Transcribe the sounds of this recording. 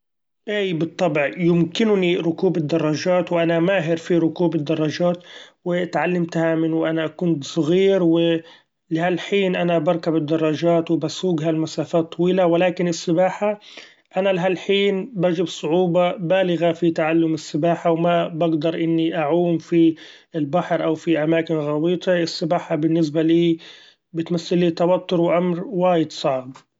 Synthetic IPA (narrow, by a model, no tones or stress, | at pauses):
ʔaːbɨt̪ˤːɑbʕjʊmkɪnʊniɾʊkuːbɪd̪ːɑrˤːɑʒaːt̪wʔanamaːɦɪɾfiɾʊkuːbɪd̪ːɑrˤːɑʒaːt̪wɪt̪ʕalːamt̪hamɪnwʔanaʔkʊnt̪sˤɣiːɾwɪ | lɪhalħiːnʔanabɑɾˤkabɪd̪ːɑrˤːɑʒaːt̪wɪbasuːɡɦalmasaːfaːt̪ˤːɑwiːlawɪlaːkɪnɪsːɪbaːħa | ʔanalɪɦalħiːnbad͡ʒɪbsˤʊʕuːbɑbaːlɪɣafit̪aʕalːʊmɪsːɪbaːħawmabaɡd̪ɑɾˤʔɪnːiʔaʕuːmfi | ɪlbaħɾʔawfiʔamaːkɪnɣɑwiːt̪ˤʰeɪsːɪbaːħabɪnːɪs̬baliː | bɪt̪masːɪlːiːt̪ɑwat̪ːʊɾwʔamɾwaːjɪd̪sˤɑʕb